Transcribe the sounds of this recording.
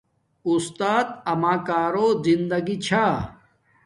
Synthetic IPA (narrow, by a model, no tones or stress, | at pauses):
ust̪aːt̪̚ɐmaːkaːɾoːzind̪ɐɡit͡ɕʰaː